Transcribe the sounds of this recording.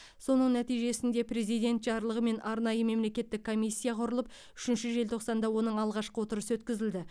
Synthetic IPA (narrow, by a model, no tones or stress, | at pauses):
so̞nəɴnæt̪ijʒe̞sɪnd̪e̞pɾe̞zijd̪ʲe̞nt̪ʒɑɾlˠəʁəme̞nʔɑɾnɑjəme̞mle̞kʲe̞t̪ːɪkʰːo̞mijsʲːijaqʰʊɾəlˠəp̚ | ʏʃɪnʃɪʒe̞lt̪ʰo̞qsɑnd̪ɑwo̞nəɴɑlˠʁɑʃqəwo̞t̪əɾəsəwɵt̪kʲɪzɪld̪ɪ